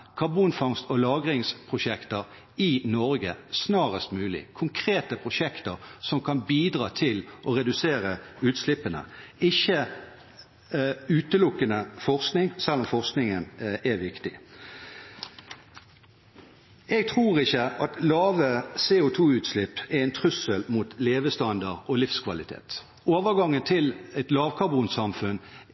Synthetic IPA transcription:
kʰɑʁbuːnfɔŋst̪ɔlɑːɡʁɪŋspʰʁʊʃɛkt̪əʁ | ɪnɔʁɡəsnɑːʁəst̪mʉːlɪ̰kʰʊŋkʰʁeːt̪əpʰʁʊʂɛkt̪əʁsɔmkʰɑnbiːd̪ʁɑːt̪ʰɪlʔɔʁɛd̪ʉseːʁəʉːt̪slɪpːənə̰ɪçːə | ʉːt̪əlʊkːənəfɔʁsknɪŋsɛlːɔmfɔʁsknɪŋənɛʋɪkt̪ɪ | ɛɡ̚t̪ʰʁuːʁɪçəɑt̪lɑːʋəseːʊt̪ʰuːʉːt̪slɪpːɛʁɛɪnt̪ʰʁʉsəlmut̪leːʋəst̪ɑnd̪ɑʁɔlɪfskʰʋɑlɪt̪ʰḛːt̪ | oːʋəʁɡɑŋːənt̪ʰɪlɛt̪lɑːʋkʰɑbuːnsɑmfʉn

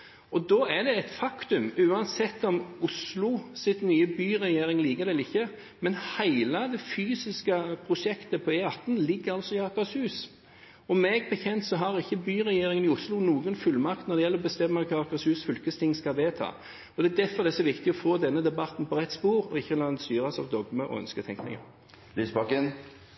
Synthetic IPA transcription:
ɔd̪ɔːæɖ̪ɛɛt̪fɑkt̪ʉmʉːɑnsɛt̪ːɔmʊslʊsɪt̪nyːəbyːɾɛjeːɾɪŋliːɡədɛlɪçːə | mɛnhæɪləd̪ɛfyːsɪskəpʰɾʊʂɛkt̪əpʰɔɛɑt̪ːn̩lɪɡːəɾɑlsɔɪɑkɑshʉːs | ɔmːɛɡbəçɛnt̪sɔɦɑɾɪçːəbyːɾɛjeːɾɪŋənɪʊslʊnuːɡənfʉlmɑkt̪nɔd̪ɛjɛlːɾɔbəst̪ɛmːəkʰɑːɑkɑshʉːsfʏlkəst̪ʰɪŋskɑʋeːt̪ʰɑ̰ː | ɔd̪ɛːd̪æɾfɔɾd̪ɛsɔʋɪkt̪ɪɔfoːd̪ɛnːəd̪ɛbɑt̪n̩pʰɔɾɛt̪ːspuːɾɔɪçːəlɑːnst̪yːɾɑsɑ̰ʋd̪ɔɡməʔɔ̰œ̰nskət̪ʰɛŋknɪ̰ŋə̰ | lyːsbɑkən

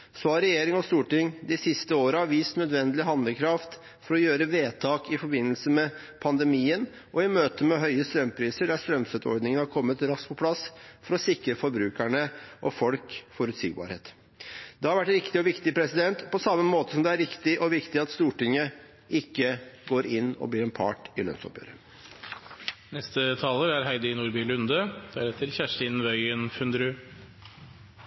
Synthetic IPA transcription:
sɔhɑɾɛjeːɾɪŋɔst̪uːʈɪŋd̪ɪsɪst̪əoːɾəɑʋiːst̪nœd̪ʋɛnd̪əlɪɦɑnd̪əkʰɾɑft̪ | fɔɾɔjøːɾəʋeːt̪ʰɑːkɪfɔɾbɪnːəlsəmɛ | pʰɑnd̪ɛmiːən | ʔɔɪmøːt̪əmɛɦœʏəst̪ɾœmːpʰɾiːsəɖæst̪ɾœmsɛt̪ɔ̰ɾɖ̪nɪŋənhɑɾkʰɔmːət̪ɾɑsk̚pʰɔpʰlɑsfɔɾɔsɪkɾəfɔɾbɾʉːkæɳəʔɔfɔlkfɔɾʉt̪sḭːɡ̚bɑ̰ːɾhḛːt̪ | d̪ɛhɑɾʋæʈːɾɪkt̪ɪɔʋɪkt̪ɪpʰɾɛsɪd̪ɛnt̪pɔsɑmːəmoːt̪ə̥sɔmd̪ɛæɾɪkt̪ɪʔɔʋɪkt̪ɪɑt̪st̪uːʈɪŋːə | ʔɪkːəɡoːɾɪnːɔ̰bliːɾɛnpʰɑ̰ːʈɪlœ̰nsɔ̰pjø̰ːɾə | nɛst̪ət̪ʰɑːləɾæɾɦæɪd̪əɪnuːɾbiːlʉnd̪əd̪̥æɾɛt̪ʰəɾçæʂʈɪnʋœʏənfʉnd̪ɾʉː

